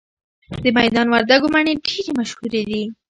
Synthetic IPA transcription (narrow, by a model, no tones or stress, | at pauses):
d̪əmajd̪ɑnwaɾd̪aɡomaɳeɖeɾemaʃhuɾed̪i